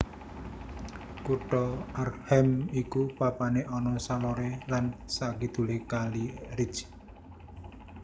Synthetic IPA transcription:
kuʈɔarhɛmikupapaneʔɔnɔsalɔɾelansakid̪̥ṳlekaliɾi̥t͡ʃ

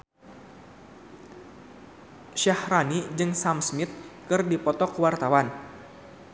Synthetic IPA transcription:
ʃahranid͡ʒɨŋsamsmit̪̚kɨrdipɔt̪ɔkwart̪awan

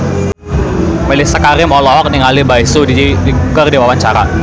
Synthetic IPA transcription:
məlɪsəkaɾɪmɔlɔɦɔk̚nɪŋalibaisudidikukərdiwawaɲt͡ʃaɾa̰

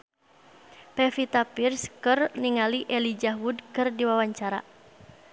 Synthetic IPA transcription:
pɛfit̪apirskɨrniŋaliʔɛlid͡ʒaɦwudkɨrdiwawaɲt͡ʃaɾa̰

